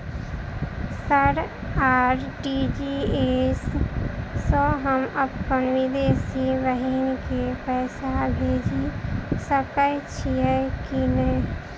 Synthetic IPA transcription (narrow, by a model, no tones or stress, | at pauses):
səɾaːɾɖid͡ʒiesː | ɔ̃ɦəməbkənʋid̪eːsiʋəɦinkepɛːsabʱeːd͡ʒisəkəjt͡ʃʰiɛkinə̃